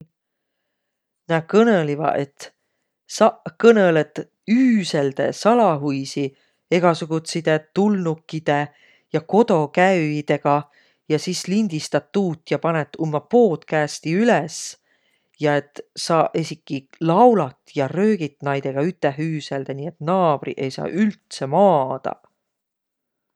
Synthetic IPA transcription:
nækɤnelivɑ̰ʔe̞t̪ | sɑkɤnelet̪ | yːse̞ld̪̥e̞̰sɑlɑɦujsi | e̞ɡ̥ɑsuɡ̥ut̪sid̪̥e̞t̪ulnukːid̪̥e̞ | jɑko̞d̪̥o̞kæɥid̪̥e̞ɡ̥ɑ | jɑsislind̪̥ist̪ɑt̪ːuːt̪ːˑjɑpɑnet̪ːˑumːɑpo̞ːt̪kæːst̪iyles | jɑe̞t̪ːsɑːʔesʲikːilɑwlɑt̪jɑrø̞ːɡ̥it̪nɑjd̪̥e̞ɡ̥ɑyt̪ːˑeɦyːse̞ld̪eniːe̞t̪nɑːb̥rḭʔe̞jsɑ̰ːʔylt̪se̞mɑːd̪̥ɑ̰

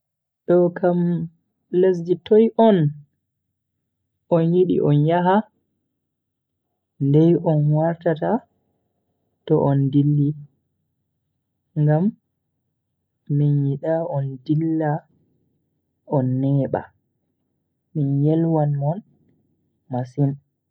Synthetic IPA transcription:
ɗɔkʰam | les̬d͡ʒitʰɔjʔɔn | ʔɔnjiɗḭʔɔnjaɦa | ndɛjʔɔnwaɾtata | tɔʔɔndilːi | ŋɡam | injiɗaɔndilːa | ɔnːɛːɓa̰ | minjɛlwanɔn | masin

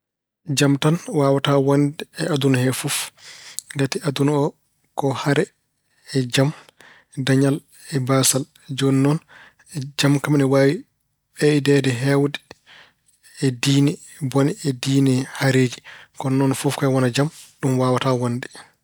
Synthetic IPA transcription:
d͡ʒamtanwaːwatawandɛɛadunahɛfuf | ɡatiadunaɔ | kɔhaɾɛː | d͡ʒam | daɲal | ɛbasal | d͡ʒɔnːɔn | d͡ʒamkamnɛwaːwi | ɓɛidɛdɛɦɛwdɛ | ɛdiːnɛ | boniɛdiːnɛhaɾeːd͡ʒikɔnːɔnfɔfkɔɛwɔnad͡ʒamɗumwaːwatawandɛ

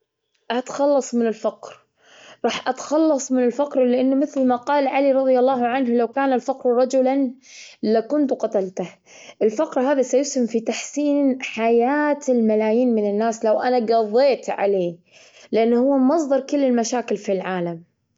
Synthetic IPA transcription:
ʔat̪xɑlːɑsˤmɪnɪlfɑqɾ | ɾˤɑːħʔat̪xɑlːɑsˤmɪnɪlfaqɾlɪʔɪnːmɪθlmaqɑːlʕaliɾˤɑðˤjɑlˤːɑːɦʕanɦlawkaːnalfɑqɾɾˤɑd͡ʒʊlanlakʊnt̪qɑt̪alt̪ah | ʔɪlfɑqɾɦaːðasajʊshɪmfit̪aħsiːnħajaːt̪ɪlmalaːjiːnmɪnɪnːaːslawʔanaɡɑðˤːeːt̪ʕa̰leː | lɪʔanːhʊwːamɑsˤd̪ˤɑɾˤkʊlːɪlmaʃaːkɪlfilʕaːlam

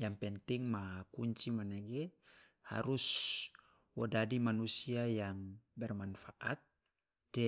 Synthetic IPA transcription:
jampɛnt̪iŋmakuɲt͡ʃimanaɡɛ | ha̰ɾus | wodadimanusiajambɛrmanfaʔat̪̚ | d̥ɛ

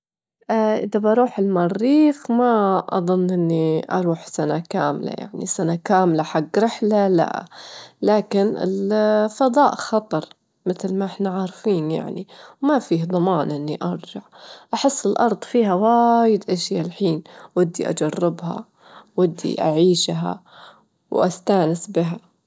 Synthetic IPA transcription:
ʔaʔɪðabɑɾˤuːħɪlmɑrːiːxmaʔɑðˤʊnːʔɪnːiʔɑ̰ɾˤuːħsanakaːmla̰ja̰ʕnḭsanakaːmlaħaɡːɾɪħlala̰ʔlaːkɪnɪ̰lfɑd̪ˤɑːʔxɑt̪ˤɑɾˤ | mɪt̪lmaʔɪħnaʕaːɾˤfiːnja̰ʕniwmafiːhd̪ˤɑmɑːnʔɪnːiʔɑɾˤd͡ʒaʕʔaħɪsːɪlʔɑɾˤd̪ˤfiːhawajɪd̪ʔaʃjalħiːnwɪd̪ːiʔa̰d͡ʒarˤːɪbha̰ | wɪd̪ːḭʔaʕiːʃɦa̰ | wʔast̪aːnɪsbɪɦa

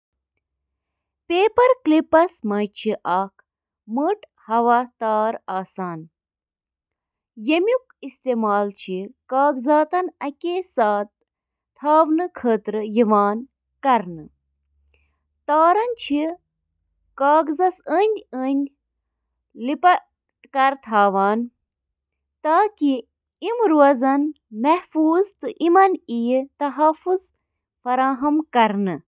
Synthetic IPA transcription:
peːpɐɾklipɐsmɐjt͡ʃʰiʔɐːk̚ʰ | məʈ | hɐʋaːt̪aːɾaːsaːn | jɐmʲjukist̪eːmaːlt͡ʃʰikaːɡzaːt̪ɐnɐkʲesaːt̪̚ʰː | aːʋnɨkʰəːt̪ɾɨjiʋaːn | kɐɾnɨ | t̪aːɾɐnt͡ʃʰi | kaːɡzɐsəːnʲənʲ | lipɐ | ʈkɐɾt̪ʰaːʋaːn | t̪aːki | imɾuɐzɐn | mɐhfuːzt̪ɨʔimɐnijt̪ɐɦɐfuz | fɐɾaːɦɐmkɐɾnɨ

